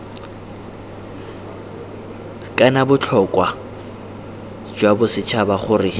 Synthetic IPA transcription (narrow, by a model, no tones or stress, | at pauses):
kʼanabʊt͡ɬʰɔkʼwa | d͡ʒwabʊsɪt͡ʃʰabaχʊrɪ